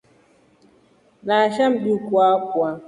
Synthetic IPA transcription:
naʃam̩ɗikwakwa

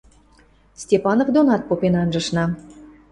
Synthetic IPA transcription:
sʲtʲepɑnofd̪onɑt̪̚popenɑnʒə̆ʃnɑ

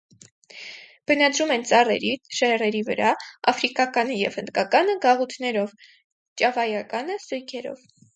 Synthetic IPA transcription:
b̥ənɑd̪ɾumɛnt͡sɑrɛ̰ɾiʃɛrɛɾivə̰ɾɑɑ̰fɾikɑkɑnəjɛ̰vhənd̪kɑkɑnəɡɑʁut̪ʰnɛɾɔv | t͡ʃɑvɑjɑkɑnəsujkʰɛɾɔ̰v

